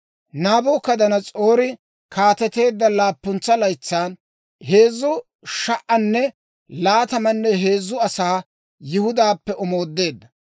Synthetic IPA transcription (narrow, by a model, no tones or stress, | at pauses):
naːboːkɐd̪ɐnɐt͡sʼo̞ːɾɪ | kʰaːt̪ɛt̪e̞ːd̪ːɐlaːpːʊnt͡sːɐlɐjt͡sːaːn | he̞ːzːʊ | ʃɐʔʔɐnːɛ | laːt̪ɐmɐnːɛɦe̞ːzːʊɐsaː | jɪhʊd̪aːpːɛʔɔmo̞ːd̪ːe̞ːd̪ːɐ